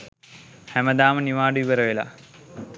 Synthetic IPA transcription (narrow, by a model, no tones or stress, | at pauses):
hæməd̪aːməniʋaːɖəʋibəɾəʋela̰